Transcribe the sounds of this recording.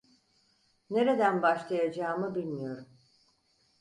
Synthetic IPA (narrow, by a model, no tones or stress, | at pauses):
ne̞ɾe̞d̪ænbaʃlˠajad͡ʒaːmɯbilʲmijo̞ɾum